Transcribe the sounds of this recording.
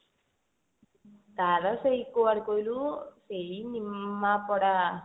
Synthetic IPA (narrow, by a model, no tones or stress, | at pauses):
t̪aɾɐsejkuaɽikojlusejinimːapɔɽa